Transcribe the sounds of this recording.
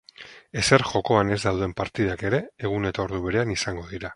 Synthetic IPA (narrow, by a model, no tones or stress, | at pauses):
e̞se̞ɾxo̞ko̞ane̞zd̪awðe̞mpaɾt̪iðake̞ɾe̞ːɣ̞une̞t̪ao̞ɾðuβe̞ɾe̞anisaŋɡo̞ðiɾa